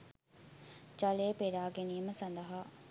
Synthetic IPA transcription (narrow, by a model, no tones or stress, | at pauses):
t͡ʃaleːpeɾaːɡeniːməsɐnd̪əɦa